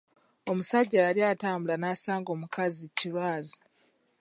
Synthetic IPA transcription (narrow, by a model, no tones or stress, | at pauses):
omusaɟːajaliaːtaːmbulanaːsaːŋɡo̞ːmukʰaziciɾwaːzi